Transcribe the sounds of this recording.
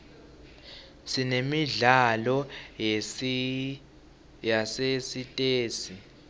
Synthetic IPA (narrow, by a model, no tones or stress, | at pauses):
sinemiɮalɔ | jasesitʼeːsi